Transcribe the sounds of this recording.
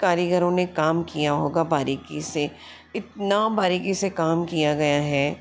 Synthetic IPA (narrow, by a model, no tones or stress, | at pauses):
kaːɾiɡəɾõnekaːmkijaɦoːɡabaːɾiːkise | ɪt̪̚nabaːɾikisekaːmkijaɡɐjaɦɛː